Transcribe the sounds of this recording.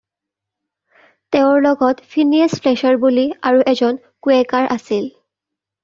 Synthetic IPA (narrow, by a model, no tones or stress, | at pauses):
teʊ̃ɹlɔɡɔtpʰiniespʰlɛʃɔɹbuliaɹuʔɛzɔn | kuɛkaɹʔasil